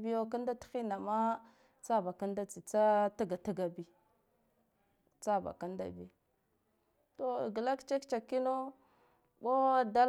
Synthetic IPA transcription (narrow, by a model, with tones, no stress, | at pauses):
bi˦jo˦ka˦nda˦txi˦na˨ma˦ | t͡sa˦ba˨ka˦n˦da˦t͡si˨t͡sa˦ta˦ɡa˨ta˦ɡa˨bi˦ | t͡sa˦˨ba̰˨ka˦nda̰˦bḭ˦ | to˨ɡə˨la˦kt͡ʃe˦kt͡ʃa˨kːi˦no˦ | bo˦da˦l